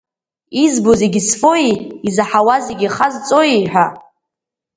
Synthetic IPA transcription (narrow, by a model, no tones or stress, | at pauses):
izbozeɡʲisfojiizaħawazeɡʲiχazt͡sʼojiħʷᶣa